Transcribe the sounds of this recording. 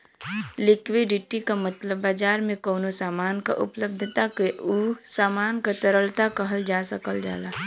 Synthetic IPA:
lɪkʋiɖɪʈikamət̪ləbːaːd͡ʒaːɾmẽkoːnosaːmaːnka̰ʔʊ̰pləb̚d̪ʱət̪akeʔusaːmaːnkat̪əɾəlt̪akəɦəld͡ʒaːsəkəld͡ʒa̰ːlaː

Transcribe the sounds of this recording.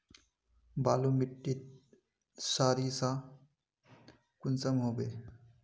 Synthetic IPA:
baːlumiʈːit̪̚ | saːɾisa | kʊnsɐmɦoːbeː

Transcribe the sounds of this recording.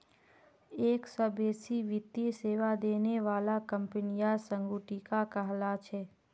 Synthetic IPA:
eːksɔbeːsiʋɪt̪jeseːʋad̪eːneʋaːlakə̃mpənijasə̃ŋɡuʈikakəɦlat͡ʃʰɛː

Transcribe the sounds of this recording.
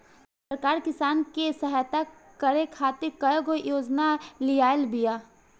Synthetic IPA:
ssəɾkaːɾkɪsaːnkesəɦajt̪a | kɐɾekʰaːt̪ɪɾkɐjɡojoːd͡ʒnalijaːlbijaː

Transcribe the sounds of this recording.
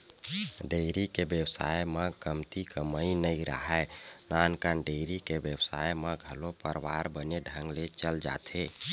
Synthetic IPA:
ɖejɾikebjəwsa̰jməɡəmt̪ikəməinəiɾə̰ɦɛnankanɖeɪɾikebjəwsa̰jemeɡʱəlopəɾʋaɾbəneɖʱə̃ŋɡlet͡ʃəld͡ʒa̰t̪ʰe

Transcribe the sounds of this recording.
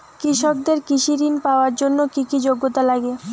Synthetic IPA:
kɾiʃok̚d̪eɾkiʃiɾinpaoaɾd͡ʑonːokikid͡ʑoɡːot̪alaɡe

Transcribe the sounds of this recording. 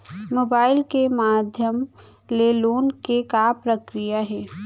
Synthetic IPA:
moːbaːɪlkemaːd̪ʱjəm | leloːnkekaːpɾəkɾijaɦɛː

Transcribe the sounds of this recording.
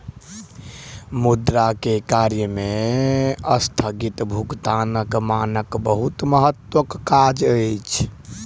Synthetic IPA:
mud̪ɾakekaɾjəme | əst̪ʰəɡit̪bʱuɡt̪anəkmanəkbəɦut̪məɦət̪ːwəkːad͡ʒəjt͡ʃʰ

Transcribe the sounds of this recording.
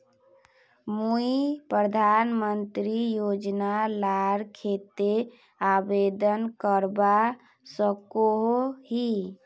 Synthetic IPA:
muipɾəd̪ʱanmənt̪ɾijod͡ʒnalaɾkʰet̪e | abed̪ənkəɾba | səkoɦoɦi

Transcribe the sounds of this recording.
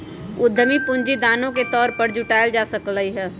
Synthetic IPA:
ʊd̪ʱːəmipʊɲd͡ʒid̪aːnõket̪ɔːɾpəɾd͡ʒʊʈaːɪld͡ʒasəkləiɦɛː

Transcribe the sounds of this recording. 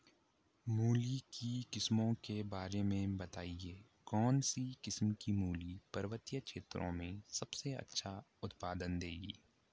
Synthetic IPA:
muːlikikɪsmõkebaːɾemẽbɐt̪aːieː | kɔːnsikɪsmkimuːlipɐɾʋət̪ijəkʃeːt̪ɾʔõ̰mẽsɐbseɐ̰tːʃʰa | ʊt̪paːd̪ənd̪eːɡḭː

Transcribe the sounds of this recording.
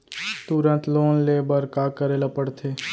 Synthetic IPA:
t̪ʊɾə̃nt̪loːnleːbəɾkaːkəɾeːlapəɽt̪ʰeː

